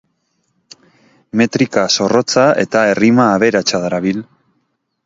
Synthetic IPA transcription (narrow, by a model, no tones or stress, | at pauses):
me̞t̪ɾikaso̞ro̞t͡sae̞̰t̪aerimaːβe̞ɾat͡ʃaðaɾaβil